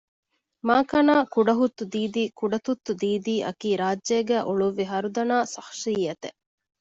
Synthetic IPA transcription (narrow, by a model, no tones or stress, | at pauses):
maːkɐnaːkuɖɐɦut̪ːud̪iːd̪iːkuɖɐt̪ut̪ːud̪iːd̪iːʔɐ̰kiːɾaːd͡ʒʒeːɡæːʔuɭuʋːiɦɐɾud̪ɐnaːsɐxʃijɐt̪e